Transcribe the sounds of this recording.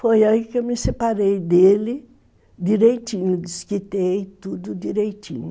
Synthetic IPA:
fojaikewmɪsepaɾejd̪elɪ | d̪iɾejt̪ĩɲʊd̪iskit̪ejt̪ud̪ʊd̪iɾejt̪ḭ̃ɲʊ

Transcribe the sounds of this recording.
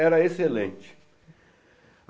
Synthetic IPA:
ɛɾɐeselḛ̃nt͡ʃɪ̥

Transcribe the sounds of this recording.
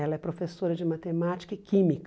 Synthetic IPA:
ɛlɐɛpɾofesoɾɐd͡ʒɪmat̪emat͡ʃi̥kɐɪkĩmik

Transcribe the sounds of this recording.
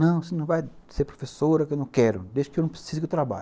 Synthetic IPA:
nɐ̃w̃sɪnɐ̃w̃vajseɾpɾofesoɾɐkɪewnɐ̃w̃kɛɾʊ̰d̪eʒd͡ʒɪkewnɐ̃pɾe̥sizʊket̪ɾaba̰

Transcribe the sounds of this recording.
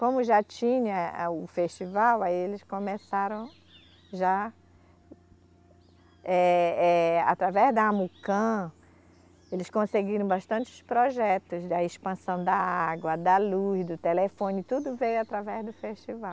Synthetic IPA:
kõmʊʒat͡ʃĩɲɐʊfeʃt͡ʃivawaielɪskõmesaɾɐ̃w̃ | ʒa | ɛɛa̰t̪ɾavɛzd̪ɐamukɐ̃ | elɪskõseɡiɾɐ̃w̃baʃt̪ɐ̃t͡ʃɪʊ̥spɾoʒɛt̪ʊzd̪ɐespɐ̃sɐ̃w̃d̪ɐaɡwɐd̪ɐlusd̪ʊt̪elefõnɪt̪ud̪ʊvejʊat̪ɾavɛzd̪ʊfeʃt͡ʃivaw

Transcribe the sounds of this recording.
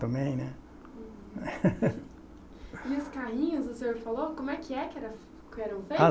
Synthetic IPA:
t̪ɐ̃mbẽj̃nɛ̃ | ɪʊskaɦĩɲʊzʊsẽɲoɾfalowkõmʊɛkʰɪɛkɪɛɾɐ | kɪɛɾɐ̃w̃fej

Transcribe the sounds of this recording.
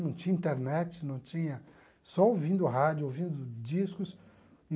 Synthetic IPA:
nɐ̃w̃t͡ʃĩɲɐĩnt̪eɾnɛt͡ʃɪnɐ̃w̃t͡ʃĩɲɐ | sɔowvĩnd̪ʊɦad͡ʒʊowvĩnd̪ʊd͡ʒiskʊs

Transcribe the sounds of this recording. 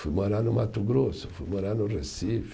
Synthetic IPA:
fujmoɾanʊmat̪ʊɡɾosʊ̥fujmoɾanʊresif

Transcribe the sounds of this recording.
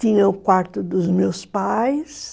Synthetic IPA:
t̪ĩɲɐ̃ʊkwaɾt̪ʊd̪ʊzmewspajs

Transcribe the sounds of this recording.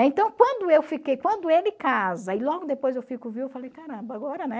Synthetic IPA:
ɛẽt̪ɐ̃w̃kwɐ̃d̪ʊewfikejkwɐ̃nd̪ʊelɪkazɐɪlɔɡʊd̪epojzewfikʊviwewfalejkaɾɐ̃bɐaɡɔɾɐnɛ

